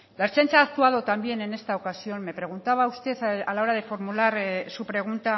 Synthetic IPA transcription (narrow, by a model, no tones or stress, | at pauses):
laest͡ʃant͡ʃaːkt̪uaðo̞t̪ambje̞ne̞ne̞st̪ao̞kasio̞nme̞pɾe̞ɣ̞unt̪aβ̞aust̪eθalao̞ɾað̞e̞fo̞ɾmulaɾsupɾe̞ɣ̞unt̪a